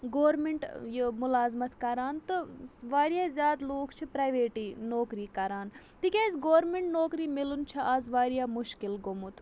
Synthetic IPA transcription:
ɡoːɾmeɳʈjəmʊlaːzmɐt̪kɐɾaːnt̪ɨʋaːɾjaːzʲjaːd̪loːkt͡ʃʰipɾɐːjʋeːʈiːnoːkɾiːkɐɾaːn | t̪ikʲeːzɡoːɾmeɳʈnoːkɾiːmɪlunt͡ʃʰɐʔazʋaːɾjaːmʊʃkɪlɡomut̪

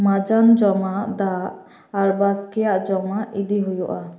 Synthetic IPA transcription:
mad͡ʒand͡ʒɔmaʔd̪aː | ɾbaskɛjaʔd͡ʒɔmaʔid̪iɦujuʔa

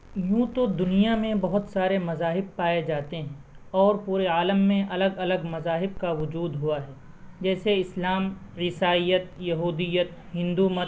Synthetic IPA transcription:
jũːt̪od̪ʊnijamẽbɐɦʊt̪saːɾemɐzaːɦɪb̚paːed͡ʒaːt̪eɦɛ̃ː | ɔːɾpuːɾeaːləmːẽʔɐləɡɐləɡmɐzaːɦɪb̚kaʋʊd͡ʒuːd̪ɦʊaɦɛː | d͡ʒɛːseɪslaːmɾɪsaːijət̪̚jɐɦuːd̪ɪjət̪̚ɦɪ̃nd̪umə

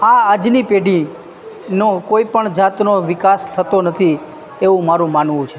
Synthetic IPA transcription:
aad͡ʒnipeɖʱi | nokoipəɳd͡ʒat̪noʋɪkast̪ʰət̪onət̪ʰi | eʋũmaɾũmanʋũt͡ʃʰe

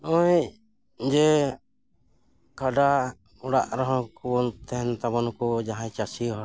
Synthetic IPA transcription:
ɔ | d͡ʒɛ | kaɖa | ɔɽaʔɾɔɦɔ̃kubɔnt̪ʰɛnt̪abɔnɔkɔd͡ʒaɦãt͡ʃasiɦɔ

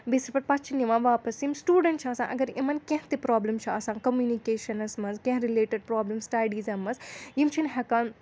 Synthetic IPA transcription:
besɾpɐɾpɐt͡ʃʰinjiʋãːʋaːpɐsimsʈuːɖɐɳʈt͡ʃʰaːsã̰ːnʔɐ̰ɡɐɾemɐnkɛ̃ɦt̪epɾaːblɐmt͡ʃʰiaːsãːnkɐmjuːnikeːʃɐnɐsmɐzkɛ̃ɦɾileːʈeɖ̚pɾaːblɐmsʈɐɖiːzɐmɐzjimt͡ʃʰinɦɛkaːn

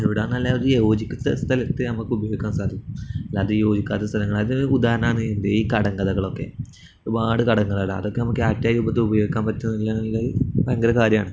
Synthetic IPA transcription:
ɐðuʋiɽenːɐlːaːɾɨjoːd͡ʑikʲːut̪ːɐ̰st̪ʰɐlɐt̪ːɨnɐmukːɨubɐjo̞ːɡikʲːaːnsaːd̪ʱjɐkuɐlːaːt̪ːɨjo̞ːd͡ʑikʲːaːt̪ːɐst̪ʰɐlɐŋːɐɭɐðinud̪aːɾɐnaːɳɨend̪eiːkɐɽɐŋɡɐðɐɣɐɭo̞kːe̞̰ | oɾubaːɽɨkɐɽɐŋːɐðaːɽɨɐ̰ðo̞kːe̞nɐmukːɨaːtːjaːjɾuːbɐt̪ːɨubɐjo̞ːɡikʲːaːnpɐtːɐnːiilːaːɳlːapɐjɐŋɡɐɾɐkaːɾjɐmaːɳɨ

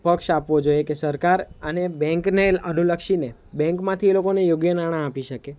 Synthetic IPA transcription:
pəkʃapʋod͡ʒojekesəɾkaɾənebɛ̃ŋknelənuləkʃine | bɛ̃ŋkmãt̪ʰielokonejoɡjənaɽ̃ãːpiʃəke

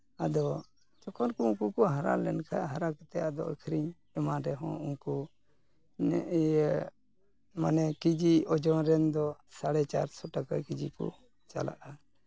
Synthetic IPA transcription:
ad̪ɔ | t͡ʃɔkʰɔnkuuŋkukɔɦaɾa̰lɛnkʰa̰ɦaɾakɛt̪ɛad̪ɔʔəkʰɾiɲ | ɛmaɾɛɦɔ̰̃uŋku | manɛkid͡ʒiɔd͡ʒɔ̃ɾɛnd̪ɔsaɽɛt͡ʃaɾsɔʈakakid͡ʒikṵ | t͡ʃa̰la̰ʔa

